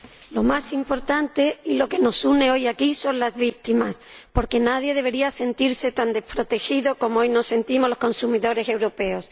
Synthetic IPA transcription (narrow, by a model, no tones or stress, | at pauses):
lo̞masimpo̞ɾt̪ant̪e̞ilo̞ke̞no̞sune̞o̞jakiso̞nlazβit̪imaspo̞ɾke̞naðje̞ð̞e̞β̞e̞ɾiase̞nt̪iɾse̞t̪and̪e̞spɾo̞t̪e̞xiðo̞ko̞moo̞jno̞se̞nt̪imo̞lo̞sko̞nsumiðo̞ɾe̞se̞wɾo̞pe̞o̞s